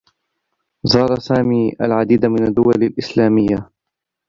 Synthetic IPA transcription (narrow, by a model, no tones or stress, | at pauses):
zˤɑːɾˤɑsaːmiːʔa̰lʕad̪iːd̪amɪnad̪ːʊwalalʔɪslaːmɪjːa